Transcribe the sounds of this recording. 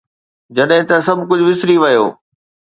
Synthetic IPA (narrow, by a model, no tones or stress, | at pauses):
d͡ʑɐɗɦɪ̃t̪ɐsɐbʱkʊd͡ʑʱʊʋɪsɾiʋɐjo̰ː